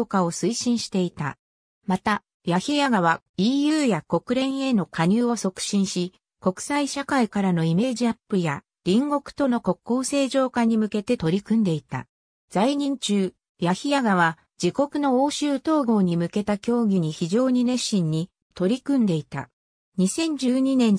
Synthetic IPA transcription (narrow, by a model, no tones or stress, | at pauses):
kao̞sɨiɕĩɰ̃ɕi̥t̪e̞it̪a̰ | mat̪a | jaçʲijaɡaβ̞a | iːjɯːjako̞kɯ̟ɾẽ̞ɰ̃e̞no̞kaɲ̟ɨːo̞so̞kɯ̟̥ɕĩɰ̃ɕi | ko̞kɯ̟̥saiɕakaikaɾano̞ime̞ːʑiapːɯ̟ja | ɾʲĩŋɡo̞kɯ̟̥t̪o̞no̞ko̞kːo̞ːse̞ːʑo̞ːkaɲ̟imɯ̟ke̞t̪e̞t̪o̞ɾʲikɯ̟̃nd̪e̞it̪a̰ | z̥aiɲ̟ĩɲt͡ɕɨː | jaçʲijaɡaβ̞a | d͡ʑiko̞kɯ̟nooːɕɨːt̪o̞ːɡo̞ːɲ̟imɯ̟ke̞t̪akʲo̞ːɡʲiɲ̟içiʑo̞ːɲ̟inẽ̞ɕːĩɲ̟ːi | t̪o̞ɾʲikɯ̟̃nd̪e̞it̪a̰ | ɲ̟isẽ̞ɲ̟d͡ʑɨːɲ̟inẽ̞n